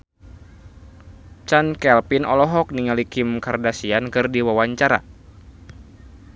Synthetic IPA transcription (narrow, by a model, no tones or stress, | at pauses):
t͡ʃankɛlpinɔ̰lɔɦɔk̚niŋalikɪmkardasiankɨrdiwawaɲt͡ʃaɾa̰